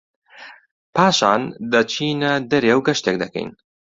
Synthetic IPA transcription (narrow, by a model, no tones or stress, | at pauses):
pʰaːʃaːnd̪ɐt͡ʃʰiːnɐd̪ɐɾeːwɡɐʃt̪eːk̚d̪ɐkɛ̰jn